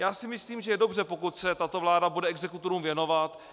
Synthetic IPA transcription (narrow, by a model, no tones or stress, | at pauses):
jaːsɪmɪsliːmʒɛjɛdo̞brɛpo̞kut̪sɛt̪at̪o̞vlaːdabudɛɛɡzɛkut̪oɾuːmvjɛno̞vat̪